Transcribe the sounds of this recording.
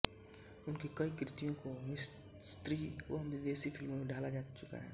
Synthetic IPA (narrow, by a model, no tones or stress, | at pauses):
ʊnkekɐikɾɪt̪ijõkomɪs | st̪ɾioɦɐmd̪ɪd̪eːsifʰɪlmõmeɖaːlad͡ʒaːt͡ʃʊka̰ɦɛ̰ː